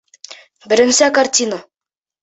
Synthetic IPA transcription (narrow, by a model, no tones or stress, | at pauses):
bɘ̆ɾɘ̆msækart̪ʲino